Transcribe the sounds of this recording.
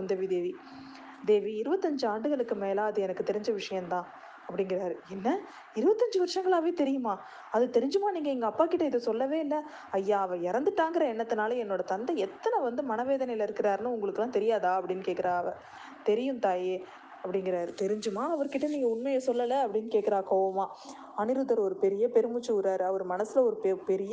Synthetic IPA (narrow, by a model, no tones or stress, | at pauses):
kʊnd̪ɐʋid̪eːʋi | d̪eːʋiɪɾɯbɐt̪ːɐɲd͡ʒɯaːɳɖɯɣɐɭɯkːɯmeːlaːɐðɯɛnɐkːɯt̪ɛɾɪɲd͡ʒɐʋɪʂɐjɐ̃mt̪ãː | ɐpːɐɽɪŋɡɪɾaːɾɯɛnːɐ | ɪɾɯbɐt̪ːɐɲd͡ʒɯʋɐɾʂɐŋɡɐɭaːʋeːt̪ɛɾɪjɯmaː | ɐðɯt̪ɛɾɪɲd͡ʒɯmaːniːŋɡɐɛŋɡɐːpːaːkɪʈːɐɪðɯsɔlːɐʋeːɪlːɐ | ɐjːaːɐʋɐɪɾɐnd̪ɯʈːaːŋɡɪɾɐɛnːɐt̪ːɯnaːlɐɛnːoːɽɐt̪ɐnd̪ɐɛt̪ːɐnɐʋɐnd̪ɯmɐnɐʋeːðɐnɐɪjɪlɐɪɾɯkːɪɾaːɾɯnɯʊŋɡɐɭɯkːɯlːãːt̪ɛɾɪjaːðaːɐpːɐɽɪnːɯkeːʈkːɪɾaːɐʋɐ̃ | t̪ɛɾɪjɯmt̪aːje | ɐpːɐɽɪŋɡɪɾaːɾɯt̪ɛɾɪɲd͡ʒɯmaːɐʋɐɾkɪʈːɐniːŋɡɐʊɳmɐjɐsɔlːɐlɐɐpːɐɽɪnːɯkeːʈkːɪɾaːkoːʋɐmaː | ɐnɪɾɯðɐɾɔɾɯpɛɾɪjɐpɛɾɯmɯt͡ʃːɯʊɾaːɾɯɐʋɐɾɯmɐnɐsɪlɐɔɾɯppɛɾɪj